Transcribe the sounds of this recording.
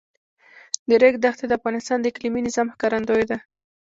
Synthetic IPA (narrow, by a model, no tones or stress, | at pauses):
d̪əɾeɡd̪axt̪ed̪əafɣɑnɪst̪ɑnd̪əɪkliminɪzɑmxkɑɾand̪ojd̪a